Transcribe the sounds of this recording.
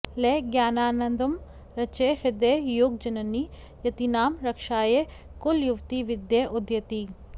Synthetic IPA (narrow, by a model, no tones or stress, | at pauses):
leːɡjaːnaːnɐnd̪ɐm | ɾɐt͡ʃeɦɾɪd̪ejoːɡ̚d͡ʒɐnɐnːi | jɐt̪inaːmɾɐkʂaːje | kuljuʋt̪iʋid̪jeʔud̪jɐt̪i